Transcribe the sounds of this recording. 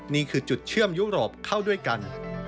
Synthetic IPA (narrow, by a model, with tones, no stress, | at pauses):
niː˥˩kʰɯː˧t͡ɕu˨˩t̪̚t͡ɕʰɯ˥˩əmjuː˦˥ɾoː˨˩p̚kʰa˥˩wdu˥˩əjka˧n